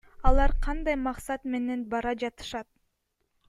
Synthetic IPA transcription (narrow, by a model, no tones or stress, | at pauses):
ɑlˠɑɾqʰɑnd̪ɑjmɑqsɑt̪me̞ne̞nbɑɾɑd͡ʒɑt̪ɯ̥ʃɑt̪̚